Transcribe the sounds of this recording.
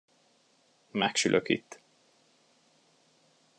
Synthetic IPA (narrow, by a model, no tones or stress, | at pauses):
mɛkʃylʔøkḭt̪ː